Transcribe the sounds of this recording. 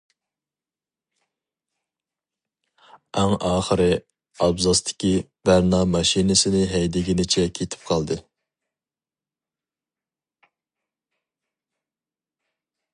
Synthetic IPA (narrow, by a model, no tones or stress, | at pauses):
ɛŋɑːχəɾɪ | ɑbzɑst̪ʰɪ̥kʲibæɾnɑmɑʃinɪsɪnɪɦɛjd̪ɪɡʲinɪt͡ʃʰɛkʲʰet̪ʰɪ̥p̚qʰɑlˠd̪ɨ